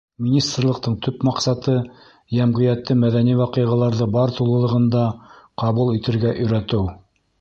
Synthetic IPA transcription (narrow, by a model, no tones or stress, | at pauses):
mʲinʲist̪rlˠɤ̆q̚t̪ɤɴt̪ʰɵpmɑqsɑt̪ɤ | jæmʁĭjæt̪ːɘmæðæniwɑqɤ̆jʁɑlˠɑɾðɤbɑɾt̪ulˠɤ̆lˠɤ̆ʁɤ̆nd̪ɑqɑβulˠit̪ɘ̆ɾɡæʔɵ̆jɾæt̪ɘw